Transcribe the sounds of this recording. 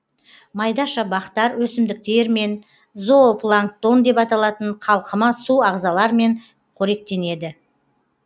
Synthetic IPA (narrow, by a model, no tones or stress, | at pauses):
mɑjd̪ɑʃɑbɑqt̪ɑɾwɵsɪmd̪ɪk̚t̪e̞ɾme̞n | zoplˠaŋk̚t̪o̞nd̪e̞pɑt̪ɑlˠɑt̪əɴqʰɑlˠqəmɑsuɑʁzɑlˠɑɾme̞ɴ | qʰoɾe̞k̚t̪e̞ne̞d̪ɪ